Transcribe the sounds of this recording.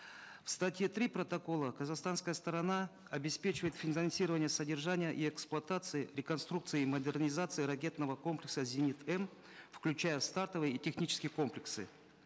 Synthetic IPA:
fst̪atʲjet̪ɾʲipɾət̪ɐko̞lˠəkəzaxst̪anskəjəst̪əɾɐna | ɐbʲɪspʲet͡ɕɪvəɪt̪fʲɪnɐnsʲiɾəvənʲɪjəsədʲɪrʐanʲɪjəʔiɛksplˠʊɐt̪at̪sɨɪɾʲɪkɐnst̪ɾuk̚t̪sɨjɪiməd̪ʲɪrnʲɪzat̪sɨɪɾɐkʲe̞t̪nəvəko̞mplʲɪksəzʲɪnʲit̪ɛm | fklʲʉt͡ɕajəst̪art̪əvɨjəitʲɪxnʲit͡ɕɪ̥skʲɪjəko̞mplʲɪksɨ̰

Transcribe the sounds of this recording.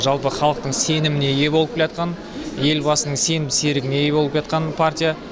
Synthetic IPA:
ʒɑlˠpəχɑlˠəq̚t̪əɴse̞nɪmɪne̞je̞bo̞lˠəp̚kʲelɑt̪̚qɑn | je̞lbɑsənəɴse̞nɪmse̞ɾɪɡʲɪne̞jebo̞lˠəpʒɑt̪qɑnpʰartʲija

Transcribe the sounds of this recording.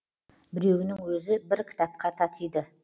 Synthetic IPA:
bɪɾe̞wɪnɪŋwɵzɪbɪɾkʲʰɪ̥t̪ɑp̚qʰɑt̪ʰɑt̪ijd̪ə

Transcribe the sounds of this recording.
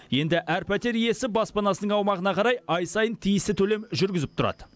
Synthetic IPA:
je̞nd̪ɪʔæɾpæt̪e̞ɾije̞sɪbɑspɑnɑsənəɴɑwmɑʁənɑqʰɑɾɑjɑjsɑjənt̪ʰijɪst̪ɪt̪ʰɵle̞mʒʏɾɡʲɪzɪp̚t̪ʰʊɾɑ̰d̪ə

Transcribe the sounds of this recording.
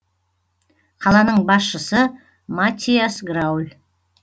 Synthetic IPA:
qʰɑlˠɑnəɴbɑsʃəsə | mat̪ʲːijasɡɾawlʲ

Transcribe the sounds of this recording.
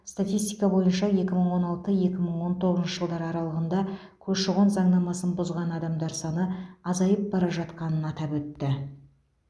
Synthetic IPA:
st̪at̪ʲist̪ijkɑbo̞jənʃɑje̞kʲɪməɴwo̞nɑlˠt̪əje̞kʲɪməɴwo̞nt̪ʰoʁəznʃəʒəlˠd̪ɑɾɑɾɑlˠəʁənd̪ɑ | kʲʰɵzʃəʁonzɑɴnɑmɑsənbʊzʁɑnɑd̪ɑmd̪ɑɾsɑnəɑzɑjəp̚bɑɾɑʒɑt̪qɑnənɑt̪ɑpwɵt̪ːɪ

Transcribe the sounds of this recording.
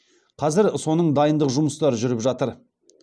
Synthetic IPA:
qʰɑzɪɾso̞nəɴd̪ɑjənd̪əqʒʊməst̪ɑɾʒʏɾɪpʒɑt̪əɾ

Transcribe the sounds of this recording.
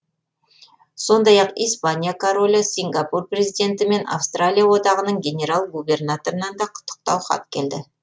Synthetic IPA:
so̞nd̪ɑjɑqijspanʲijakʰoɾo̞lʲəsʲiŋɡapurprʲe̞zijd̪e̞nt̪ɪme̞na̰fst̪ralʲijawo̞d̪ɑʁənəɴɡʲe̞ne̞ɾalˠɡube̞rnat̪o̞ɾənɑnd̪ɑqʰʊ̥t̪ʰːə̥q̚t̪ɑwχɑ̰t̪̚kʲʰe̞ld̪ɪ

